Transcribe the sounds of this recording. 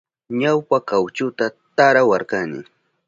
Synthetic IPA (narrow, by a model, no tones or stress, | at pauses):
ɲawpakawt͡ʃʊt̪at̪aɾawaɾkanɪ̰